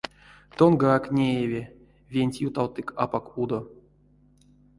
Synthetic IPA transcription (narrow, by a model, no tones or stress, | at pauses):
t̪onɡəaknʲejevʲe | vʲenʲtʲjut̪awt̪ɨkʰapakud̪o